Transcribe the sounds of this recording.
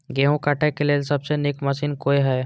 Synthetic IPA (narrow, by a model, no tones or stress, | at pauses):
ɡeːɦũkaːʈʰekeleːlsɐbsenɪkmɐʃiːnkoːeɦɛː